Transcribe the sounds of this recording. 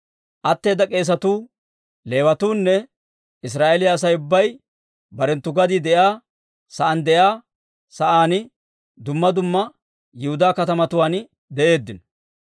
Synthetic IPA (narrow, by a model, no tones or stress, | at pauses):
ʔɐt̪ːe̞ːd̪ːɐkʼe̞ːs̬ɐt̪uː | le̞ːwɐt̪uːnːɛ | ɪs̬ɾaːʔelɪjɐːs̬ɐjʊbːɐj | bɐɾɛnt̪ːʊɡɐd̪ɪd̪ɛjaː | sɐʔɐnd̪ɛjaː | sɐʔaːnɪ | d̪ʊmːɐd̪ʊmːɐ | jɪhʊd̪aːkɐt̪ɐmɐt̪ʊwaːn | d̪ɛʔe̞ːd̪ːɪnɔ